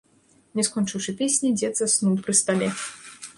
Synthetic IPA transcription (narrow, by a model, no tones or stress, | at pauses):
nʲɛskɔnt͡ʂɨwʂɨpʲesʲnʲid͡zʲɛd̪zasnuwpɾɨst̪alʲɛ